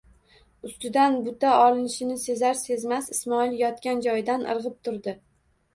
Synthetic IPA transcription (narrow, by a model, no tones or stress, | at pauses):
ʊst̪ɪd̪anbʊt̪aɒlˠɪnɪʃɪnɪse̞zaɾse̞zmasɪsmɒɪljɒt̪kʲand͡ʒɒjd̪anʔɨ̰ɾʁɨp̚t̪ʰʊɾd̪ɪ